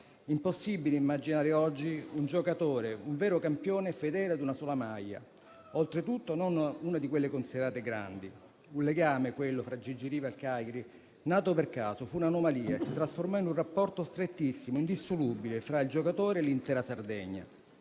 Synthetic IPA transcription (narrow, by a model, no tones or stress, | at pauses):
imposːibileimːad͡ʒinaːɾeɔd͡ʒːiund͡ʒokat̪oːɾeuɱvɛːɾokampjoːnefed̪ɛːlad̪unasɔːlamajːa̰ | olt̪ɾet̪ut̪ːononuːnad̪ikwelːekonsid̪eɾaːt̪eɡɾa̰nd̪i | unleɡaːmekwelːofɾad͡ʒid͡ʒiɾiːvalkaːjeɾi | naːt̪operkaːsofuːnanomaliːasit̪ɾasformɔinunrapːɔrt̪ost̪ɾet̪ːisːimoind̪isːolubilefɾaild͡ʒokat̪oːɾeːlːint̪ɛːɾasard̪ɛɲːa̰